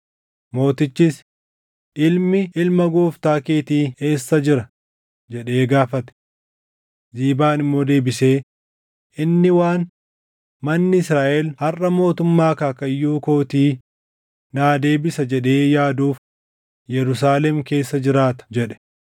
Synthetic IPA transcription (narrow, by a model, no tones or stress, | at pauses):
mo̞ːt̪ɪt͡ʃːɪs | ʔɪlmɪʔɪlmɐɡuːft̪aːkeːt̪iːe̞ːsːɐd͡ʒɪɾɐ | d͡ʒɛᶑe̞ːɡaːfɐt̪ɛ̥ | ziːbaːnɪmːo̞ːd̪e̞ːbɪse̞ː | ʔɪnːɪwaːn | mɐnːɪɪsɾaːʔɛlhɐrɐmo̞ːt̪ʊmːaːkaːkɐjːuːko̞ːt̪iː | naːd̪e̞ːbɪsɐd͡ʒɛᶑe̞ːjaːd̪uːf | jɛɾʊs̬aːlɛmke̞ːsːɐd͡ʒɪɾaːt̪ɐ̥d͡ʒɛᶑɛ̥